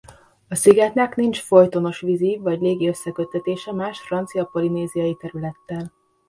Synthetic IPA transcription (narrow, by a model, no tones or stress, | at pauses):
ɒsiɡɛt̪nɛknint͡ʃfo̞jt̪o̞no̞ʃʋizivɒɟleːɡiø̞sːɛkøt̪ːɛt̪eːʃɛmaːʃfrɒnt̪sijɒpo̞lineːzijɒjit̪ɛɾylɛt̪ːɛl